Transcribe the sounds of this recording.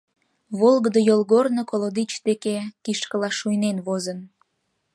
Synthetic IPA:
βolɣəd̪əjolˠɣornokolod̪it͡ɕt̪ekekiʃkəlɑʃujnenβozən

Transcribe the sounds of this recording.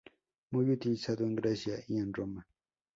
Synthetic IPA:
mʊjʊt̪isad̪aŋɡɾasjaianɾoma

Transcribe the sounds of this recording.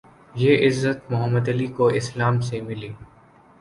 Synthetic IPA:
jeʔɪzːət̪mʊɦəmːəd̪ɐlikoɪslaːmsemɪliː

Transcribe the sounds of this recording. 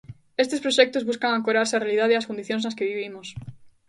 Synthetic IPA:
est̪espɾoʃɛk̚t̪ozβuskaŋaŋkoɾaɾsearealiðaðeaskond̪iθjõŋznaskeβiβimos

